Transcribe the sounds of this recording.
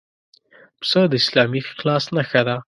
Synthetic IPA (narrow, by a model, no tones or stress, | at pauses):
psəd̪əɪslɑmiqlɑsnaxad̪a